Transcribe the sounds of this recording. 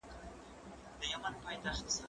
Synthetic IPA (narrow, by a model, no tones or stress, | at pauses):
d̪əjamanpʰɑjt̪aχt̪s